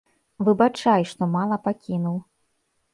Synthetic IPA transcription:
vɨbat͡ʂajʂt̪ɔmalˠɐpakʲinuw

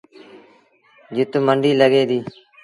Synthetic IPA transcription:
d͡ʒʊt̪məɳɖiːləɡeːd̪iː

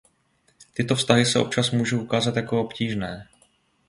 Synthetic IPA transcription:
t̪ɪt̪ofst̪aɦɪsɛʔo̞p̚t͡ʃasmuːʒuʔukaːzat̪jako̞opciːʒnɛː

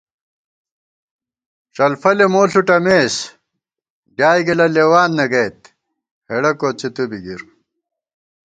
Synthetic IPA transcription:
ʂɐlfɐlemoːɬuʈɐmeːs | ɖjaːjɡɐlɐleːwaːnːɐɡɐjt̪ | heɽɐkoːt͡sit̪ubiɡiɾ

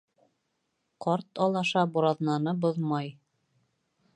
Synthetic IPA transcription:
qɑɾt̪ɑlˠɑʃɑbuɾɑðnɑnɤboðmɑj

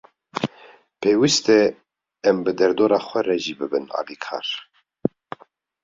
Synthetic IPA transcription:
pʰeːwist̪ɛ | ɛmbɨd̪ɛɾd̪oːɾaːxʷɛɾɛʒiːbɨbɨnɑ̰ːliːkʰɑ̰ːɾ

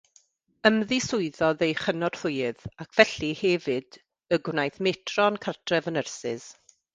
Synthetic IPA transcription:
əmðɪsʊɨðɔðejχənɔr̥θʊjɨðakʰv̥ɛɬihɛvɨd | əɡwnajθmɛtʰrɔnkʰartʰrɛvənərsɪz̥

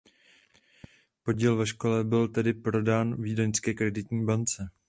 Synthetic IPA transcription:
po̞ɟiːlvɛʃko̞lɛbɪlt̪ɛdɪpɾo̞daːnviːdaɲskɛːkɾɛdɪt̪ɲiːbant͡sɛ

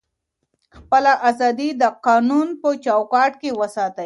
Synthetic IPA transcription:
xpəlaʔazɑd̪id̪əqɑːnunpət͡ʃɑwkɑʈkewəsɑt̪ə

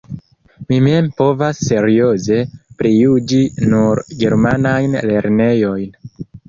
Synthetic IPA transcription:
mime̞mpo̞vasːe̞ɾio̞ze̞pɾijud͡ʒinuɾɡe̞ɾmanajnle̞ɾne̞jo̞jn

